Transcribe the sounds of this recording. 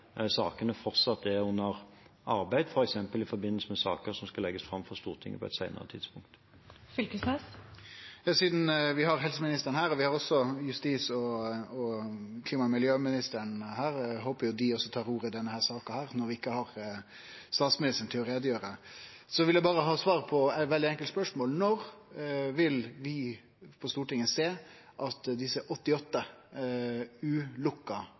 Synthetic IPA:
sɑ̰ːkənəfɔʁt̪sɑt̪ːɛʊnːəɾʔɑɾbæɪd̪fɔɾɛksɛmpəlɪfɔɾbɪnləlsəmɛsɑ̰ːkəɾsɔmskɑlɛɡəsfɾɑmfɔst̪uːʈ̪ʰɪ̰ŋːəpʰɔɛ̰t̪sæɪnə̰ɾə̰t̪ʰɪd̪spʊŋkt̪ | fʏlkəsnɛs | jɑːsiːd̪nʋɪɦɑɾɦɛlsəmɪnɪst̪əɾn̩hæːʁɔʋɪhɑʁɔsːɔjʉst̪iːsɔɔkʰliːmɑmɪljøːmɪnɪst̪əɾəɳɦæːɾɦoːpəɾjʊd̪ɪɔsːɔt̪ʰɑːɾuːɾɪd̪ɛnːəhæːɾsɑːkɑhæːɾnɔɾʋɪɪkːəhɑɾ | st̪ɑːt̪smɪnɪst̪əɳ̩t̪ʰɪlɔɾeːd̪əjøːɾə | sɔʋɪldjæɪbɑːɾəɦɑːsʋɑːʁpʰɔɛt̪ʋɛld̪ɪɛŋkəlt̪spœʂmoːlnɔɾ | ʋɪlʋɪ | pʰɔst̪uːʈɪŋːəseː | ʔɑt̪d̪ɪsəʔɔt̪ːɪɔt̪ːə | ʉːlʊkːɑ

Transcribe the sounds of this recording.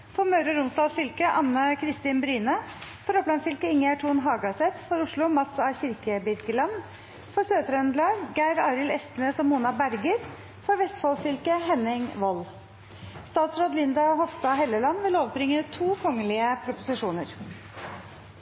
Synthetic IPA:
fɔɾmœɾəɾʊnsd̪ɑːfʏlkəʔɑnːəkʰɾɪst̪ɪnbɾyːnəfɔɾɔplɑnfʏlkəɪŋæʈʰuːnɦɑːɡɑsɛt̪fɔɾʊʂɭʊmɑt̪sɑçɪɾkəbɪɾkəlɑn | fɔɾsøːfɾɛnd̪lɑːɡɡæɪɾɑːɾɪlɛspnəsɔmːuːnɑbæɾɡəɾ | fɔɾʋɛst̪fɑlfʏlkəɦɛnɪŋʋɔl | st̪ɑːt̪sɾoːd̪lɪnd̪ɑɦɔfst̪ɑːɦɛləlɑnʋɪloːʋpʰɾɪŋːət̪ʰuːkʰɔŋːəlɪəpʰɾʊpʊsɪʂuːnəɾ

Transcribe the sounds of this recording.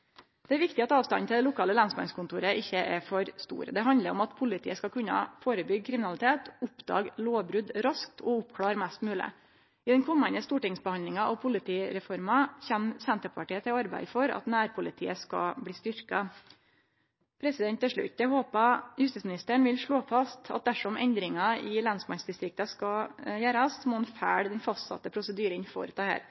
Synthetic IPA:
d̪̥ɛæɾʋɪkt̪ɪɑt̪ɑːʋst̪ɑ̰nt̪ʰɪld̪ɛlʊkʰɑːləlɑnsmɑ̰nskʰʊnt̪ʰuːɾəʔɪçːəʔɛfɔɾst̪ṵːɾd̪ɛɦɑnd̪ləɾɔmɑt̪pʰʊlɪt̪ʰḭːəskɑkʰʉnːɑ̰foːɾəbʏɡ̚kʰɾɪmɪnɑlɪt̪ʰeːt̪ʊpd̪ɑ̰ːɡloːbɾʉd̪ɾɑsk̚t̪ʰɔʊpkʰɽɑːɾmæst̪mʉːlɪ̰ | ɪd̪ɛnkʰɔmːənd̪əst̪uːʈɪŋsbəhɑnd̪lɪŋɑʔɔpʰʊlɪt̪ʰiːɾɛfɔɾmɑçæmsɛnt̪əpʰɑʈiːət̪ʰɪlɑɾbæ̰ɪfɔɾɑ̰t̪næːɾpʰʊlɪt̪ʰiːəskɑ̰bɽiːst̪ʏɾkɑ | pʰɾɛsɪd̪ɛnt̪ːɪlʂɭʉ̰t̪ːɛhoːpɑjʉst̪ismɪnɪst̪əɳ̩ʋɪlʂɭoːfɑst̪ʰɑ̰t̪̚d̪æʂɔmʔɛ̰nd̪ɾɪŋɑɪlɑnsmɑnsd̪ɪst̪ɾɪk̚t̪əskɑjæːɾəsɔmɔhɑnfæːɽd̪ɛnfɑst̪sɑ̰t̪ːəpʰɾʊsəd̪yːɾənfo̰ːɾət̪ʰɑːhæ̰ːɾ

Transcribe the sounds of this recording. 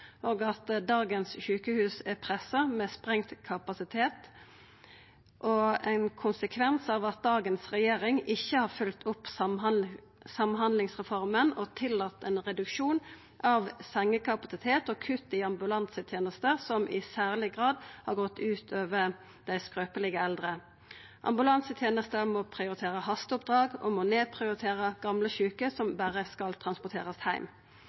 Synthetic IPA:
oːɡɑt̪d̪ɑːɡənsçʉːkəhʉːsæpʰʁɛsəmɛspʁɛŋt̪kʰɑpɑsɪt̪ʰeːt̪ | ʔɔɛɪnkʰʊnsəkʰʋɛnsɑːʋɑt̪̚d̪ɑːɡənsʁɛjeːʁɪŋɪçːəhɑːʁfʉlt̪ʰʊpː | sɑmhɑnd̪lɪŋsʁɛfɔʁmənɔt̪ʰɪlːɑt̪ːɛnʁɛd̪ʉkʃuːn | ʔɑʋsɑŋːəkɑpɑsɪt̪ʰeːt̪oːkʰʉt̪ːɪɑmbʉlɑnsət̪ʰjeːnəst̪əsɔmʔɪ̰sæːʁlɪɡʁɑːd̪hɑ̰ʁɡɔt̪ːʉːt̪ʰøːʋə | d̪̥æɪskʁøːpəlɪɡəɛld̪ʁə | ʔɑ̰mbʉlɑnsət̪ʰjeːnəst̪əmɔpʰʁɪʊɾɪt̪ʰeːʁəhɑst̪ʊp̚d̪ʁɑːɡo̰mɔneːd̪̚pʰʁɪʊɾɪt̪ʰeːʁəɡ̥ɑmləçʉːkəsɔmbæʁəskɑlt̪ʰʁɑnspɔt̪ʰeːʁɑshæɪm

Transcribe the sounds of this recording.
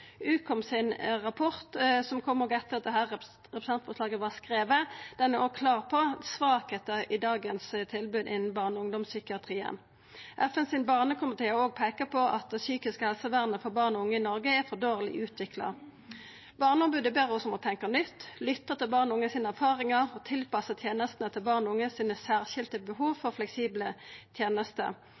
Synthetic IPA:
ʉːt̪̚kʰɔmsɪnʁɑpʰɔʁt̪sɔmkʰɔmːoːɡɛt̪ːəʁɑt̪̚d̪ɛɦæːʁ | ʁɛpʁsɑnt̪fɔʂlɑːɡəʋɑskʁeːʋəd̪̥ɛnɛʁoːɡ̚kʰlɑːʁpʰɔsʋɑːkhɛt̪əɪd̪ɑːɡənst̪ʰɪlbʉːd̪ʔɪnn̩bɑːʁnɔʊŋd̪ɔmsʏkɪɑt̪ʰʁiːə̰n | ʔɛfɛnsɪnbɑːʁnəkʰʊmɪt̪ʰeːoːɡ̚pʰɛːkəpʰɔʔɑt̪̚d̪ɛsyːkɪskəhɛlsəʋæʁnəfɔʁbɑːʁnɔʊŋːəɪnɔʁɡəɛfɔd̪oːʁəlɪ̰ʔʉːt̪ʰʋɪklɑ̰ | bɑːʁnəɔmbʉːd̪ɛbɛʁəɔsɔmɔt̪ʰɛŋkɑnʏt̪ːlʏt̪ːət̪ɪlbɑːʁnʊŋːəsiːnəæʁfɑːʁɪŋɑʁɔt̪ʰɪlpɑsət̪ʰjeːnəst̪n̩ət̪ʰɪlbɑːʁnʊŋːəsiːnəsæːʁçɪlt̪əbəhuːʋfɔʁflɛksiːblət̪ʰjeːnəst̪ə̰

